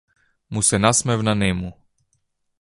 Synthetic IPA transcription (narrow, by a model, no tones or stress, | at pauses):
musɛnasmɛvnanɛmu